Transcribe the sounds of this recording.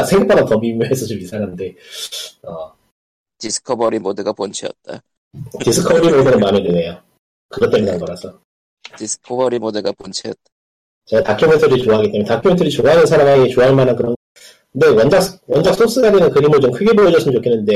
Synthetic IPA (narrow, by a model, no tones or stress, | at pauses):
sʰeŋɡɯp͈ʰadʌtʌmimjoɦes̬ʰʌt͡ɕ͈omisʰaŋɦande̞ | ʌ | tisʰɯ̥kʰʌbʌɾimoduɡapont͡ɕʰiʌt̚t͈a̰ | tis͈ʰɯkʰʌbɾimodunɯnmamidenejo | kɯɡʌt͈emjʌnʰaŋɡʌɾasʰʌ | tis͈ʰɯ̥kʰobʌɾimoduɡapont͡ɕʰiʌt̚t͈a | t͡ɕeɡatakʰjimentʰɯɾit͡ɕoaɦaɡit͈emjtakʰjɯmentʰɯɾit͡ɕoaɦanɯnsʰaɾamɦaɡiet͡ɕoaɦaɭmanɯnkɯɾʌn | ndewʌnd͡ʑakwʌnd͡ʑak̚s͈ʰos͈ɯaɡenɯnkɯɾimɯɭt͡ɕomkʰɯɡe̞bojʌd͡ʑʌs͈ɯmnt͡ɕokʰenːɯnde̞